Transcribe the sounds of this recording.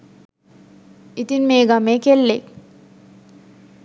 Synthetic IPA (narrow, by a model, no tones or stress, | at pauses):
it̪inmeːɡameːkelːek